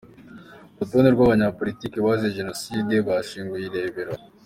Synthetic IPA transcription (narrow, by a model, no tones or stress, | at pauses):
ut̪oneɾɡwaβaɲapolit̪ikiβazeʒenosid̪eβaʃiːŋɡujiɾeβeɾa